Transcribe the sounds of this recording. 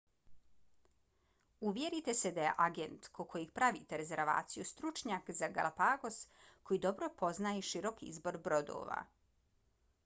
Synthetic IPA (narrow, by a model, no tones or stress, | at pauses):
uʋje̞ɾit̪esed̪aje̞̰ʔaɡe̞nt̪kokʰo̞jiɡpɾaʋḭt̪eɾe̞ze̞ɾʋa̰ːt̪sijust̪ɾut͡ʃɲakzaɡa̰lˠapaɡo̞sko̞jid̪o̞bɾo̞po̞znaeʃiɾo̞kiizbo̞ɾbɾo̞d̪o̰ːʋa̰